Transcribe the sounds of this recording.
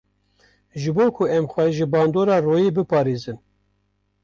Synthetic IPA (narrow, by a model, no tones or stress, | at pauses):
ʒɨboːkʰuɛmxʷɛʒɨbɑːnd̪oːɾɑːroːjiːbɨpɑːɾeːzɨn